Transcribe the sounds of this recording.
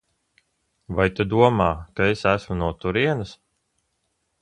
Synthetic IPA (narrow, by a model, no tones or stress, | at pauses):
vajt̪ud̪uɔmaːkaesæsmunuɔt̪uɾiɛnɐs